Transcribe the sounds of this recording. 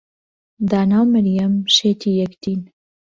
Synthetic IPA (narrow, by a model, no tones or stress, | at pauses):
d̪aːnaːwməɾjɐmʃeːt̪ʰiːjɐkt̪iːn